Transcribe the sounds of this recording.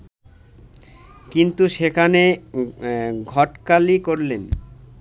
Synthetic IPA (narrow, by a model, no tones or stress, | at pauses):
kint̪uʃekʰane | ɡʱɔʈkalikoɾlen